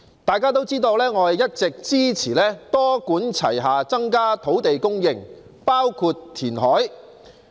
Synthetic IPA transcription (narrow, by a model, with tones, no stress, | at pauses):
t̪aː˨jkaː˥t̪o˥wt͡siː˥t̪o˧wlɛː˥ŋɔː˨˧jɐ˥t̚t͡sɪ˨k̚t͡siː˥t͡sʰiː˨˩lɛː˥t̪ɔː˥kuː˨˥nt͡sʰɐ̰˨˩jɦaː˨t͡sɐ˥ŋkaː˥t̪ʰo˨˥wt̪e˨jkʊ˥ŋjɪ˨˩ŋ | paː˥wkʰu˧tt̪ʰːiː˨˩nɦɔː˨˥j